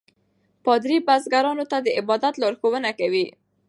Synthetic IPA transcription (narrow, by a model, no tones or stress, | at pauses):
pɑd̪ɾibazɡaɾɑnot̪ad̪əɪbɑd̪at̪lɑɾxowənakawi